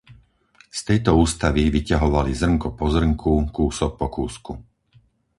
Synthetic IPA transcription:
st̪ɛjt̪ɔuːst̪aʋiʋicaɦɔʋalizr̩ŋkɔpɔzr̩ŋkʰukuːsɔk̚pɔkuːsku

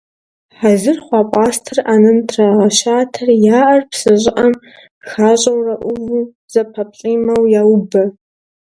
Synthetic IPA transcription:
ħazɨrχʷɑːpʷʼaːstʰɨraːnɨntʰraʁɐʃaːtʰɐrjaːʔɐrpsɨɕʼɪʔɐm | xaːɕʼɐwrɐʔʷʊvu | z̥ɐpʰɐpɕʼiːmɐwjaːwbɐ

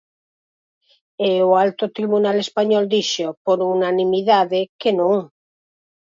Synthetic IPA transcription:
eoalt̪ot̪ɾiβunalespaɲɔld̪iʃopoɾunanĩmiðaðekenõŋ

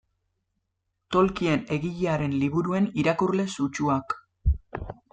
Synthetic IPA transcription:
t̪o̞lkie̞ne̞ɣiʎeaɾe̞nliβ̞uɾue̞niɾakurle̞sut͡ʃuak

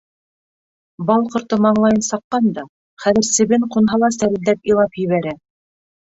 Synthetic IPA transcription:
bɑlˠqŏɾt̪omɑɴlˠɑjɤnsɑqːɑnd̪ɑ | χæðɘ̆ɾsɘ̆βɘɴqunɦɑlˠɑsæɾɘ̆ld̪æpilˠɑpjɘ̆βæɾæ

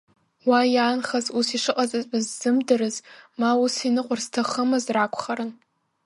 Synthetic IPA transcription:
wajaːnχazusiʂɨqʼat͡sʼazʼɨzːɨmdɨɾɨzmausinɨqʷʼʊrztʰaχəmɨzrakʷʰχaɾɨn

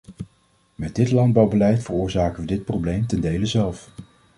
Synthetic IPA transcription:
mɛd̚dɪtlɑnd̚bɑwbəlɛjtfərʊːɹzaːkənʋədɪt̚prowblejmtɛndejləzɛlˠf

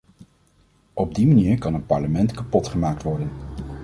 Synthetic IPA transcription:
ʔɔb̚dimaniːɹkɑnɦət̚pɑɹləmɛntkapɔtχəmaːk̚tʋɔɹdən

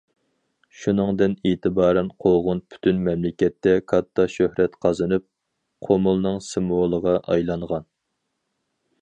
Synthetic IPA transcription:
ʃunɨŋd̪ɪneːt̪ʰɨbɑːɾɛnqʰolˠʁʊnpʰy̥t̪ʰynmɛmlɪkʲɛt̪ːɛkʰɑt̪ʰːɑʃøhɾɛt̪qʰɑzɨnɨp̚ | qʰomulˠnɨŋsɨmolˠəʁɑʔɑjlˠɑŋʁɑn

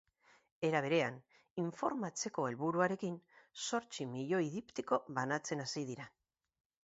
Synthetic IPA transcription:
e̞ɾaβ̞e̞ɾe̞an | iɱfo̞ɾmat͡se̞ko̞e̞lβuɾuaɾe̞kinso̞ɾt͡simiʎo̞iðipt̪iko̞βanat͡se̞nasiðiɾa

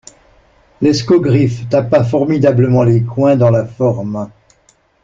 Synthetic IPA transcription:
leskoɡʁift̪apafɔʁmid̪abləmɑ̃lekwɛ̃d̪ɑ̃lafɔʁm

